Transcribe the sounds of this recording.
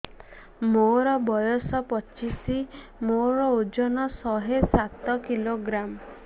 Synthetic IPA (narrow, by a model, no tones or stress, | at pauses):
moɾɔbɔjɔsɔpɔt͡ʃisi | moɾɔod͡ʒɔnɔsɔɦesat̪ɔkiloɡɾam